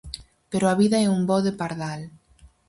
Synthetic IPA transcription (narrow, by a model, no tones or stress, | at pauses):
peɾoaβiðaɛumbɔðepaɾðal